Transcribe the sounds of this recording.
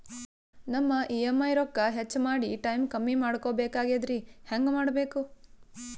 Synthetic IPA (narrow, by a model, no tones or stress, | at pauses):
nɐmːɐʔiːemːɐjɾɔkːɐɦet͡ʃːmaːɽiʈɐjmkɐmːimaːɽkoːbeːkaːɡed̪ɾihɐŋɡmaːɽbeːku